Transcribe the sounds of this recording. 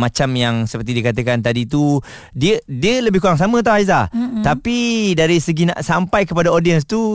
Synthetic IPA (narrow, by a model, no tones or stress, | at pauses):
mat͡ʃamjaŋsəpərt̪idikat̪̬əkant̪adit̪u | diədiələbɪhkuɾaŋs̬amə̃t̪̬awajzat̪apidaɾisəɡina̰ʔsampajkəpadaodiəns̬t̪u